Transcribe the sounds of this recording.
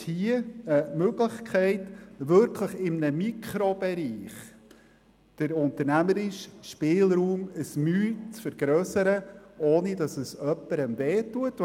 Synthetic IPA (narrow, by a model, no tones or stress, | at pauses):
hiəəmøɡ̥ləχkχɛɪtʋʏɾkʰləχɪmnəmikχɾob̥ɛɾiːχ | d̥əɾʊntərnæməɾɪʃʃpɪːlɾuːməsmyːt͡sfəɾɡ̥ɾœːsəɾəʔoːnidɑsəsœpːəɾəmveːtuət